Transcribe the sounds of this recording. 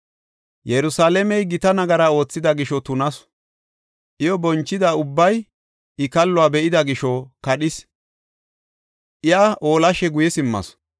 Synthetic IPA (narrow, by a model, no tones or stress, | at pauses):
jɛɾʊsaːlɛmɛjɡɪt̪ɐnɐɡɐɾaːo̞ːt͡sːɪd̪ɐɡɪʃɔt̪ʊnɐs | ʔɪjɔbɔnt͡ʃːɪd̪aʊbːɐj | ɪkɐlːɔaːbɛʔɪd̪ɐɡɪʃɔkɐɗɪs | ʔɪjaʔoːlɐʃɛɡʊjɛsɪmːɐ̰s